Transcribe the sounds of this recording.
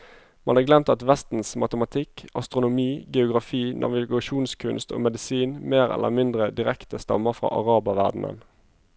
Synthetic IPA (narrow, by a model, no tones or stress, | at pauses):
mɑnɑːɡlɛmt̪ɑt̪ʋɛst̪n̩smɑt̪əmɑt̪ʰɪkɑst̪ʁʊnʊmiːɡɛʊɡʁɑfiːnʔɑ̰ʋɪɡɑʃuːnskʰʉnst̪o̰ːmɛd̪ɪsiːnmeːʁɛ̰lʔə̰mɪnd̪ʁəd̪ɪʁɛkt̪əst̪ɑ̰məfʁɑ̰ːʔɑʁɑːbɑʋæʁd̪n̩ə̰n